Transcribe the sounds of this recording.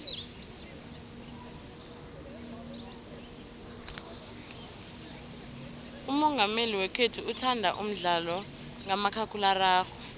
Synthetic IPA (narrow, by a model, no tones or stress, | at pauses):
umɔŋɡʱameliwɛkʰetʰuutʰandʱa̰ʔum̩ɮalɔ | ŋamakʰakʰʼularaːxɔ̥